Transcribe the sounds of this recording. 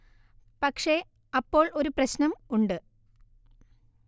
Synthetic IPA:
pɐkʂe̞ | ɐpːo̞ːɭo̞ɾuprɐɕnɐmuɳɖɨ

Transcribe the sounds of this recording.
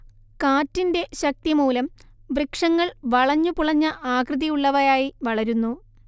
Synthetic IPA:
kaːtːinde̞ɕɐk̚t̪imuːlɐmbrikʂɐŋːɐɭʋɐɭɐɲːupuɭɐɲːɐʔaːkrɨðɐjuɭːɐʋɐɾaːjiʋɐɭɐɾunːu

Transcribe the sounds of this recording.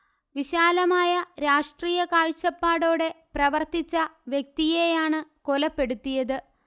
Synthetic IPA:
ʋiɕaːlɐmaːjɐɾaːʂʈriːjɐkaːɻt͡ɕːɐpːaːɽo̞ːɽe̞prɐʋɐrt̪it͡ɕːɐʋjek̚t̪ijejaːɳɨkolɐpːe̞ɽut̪ːijɐðɨ

